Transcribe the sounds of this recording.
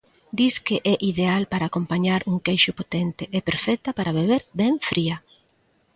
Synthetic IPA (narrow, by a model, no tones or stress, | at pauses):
d̪iskeʔɛʔiðealpaɾaːkompaɲaɾuŋkejʃʊpot̪ɛnt̪ɪʔepeɾfɛt̪ɐpaɾaβeβ̞eɾbɛɱfɾiɐ